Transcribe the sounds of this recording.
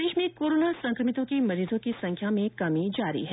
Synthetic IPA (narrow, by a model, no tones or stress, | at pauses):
eːʃmẽkoːɾoːnasɐ̃ŋkɾəmɪt̪õkimɐɾiːzõkisɐ̃ŋkʰjamẽkɐmĩd͡ʒaːɾḭɦɛ